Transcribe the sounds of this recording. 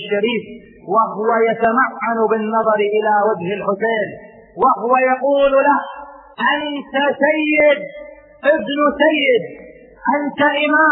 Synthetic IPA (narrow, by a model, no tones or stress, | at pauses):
ʃːaɾiːf | wahʊwajat̪amaʕːanbɪnːɑðˤɑɾʔɪlawad͡ʒhɪlħʊseːn | wɪhʊwajaquːllah | ʔant̪asajːɪd̪̚ | ʔɪbnʊsajːɪd̪̚ | ʔant̪aʔɪmaː